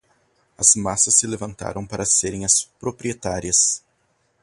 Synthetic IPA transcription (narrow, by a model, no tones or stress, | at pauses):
ɐzmasɐsːɪlevɐ̃nt̪a̰ɾʔɐ̃w̃paɾɐseɾẽj̃ɐspɾopɾiet̪aɾiɐs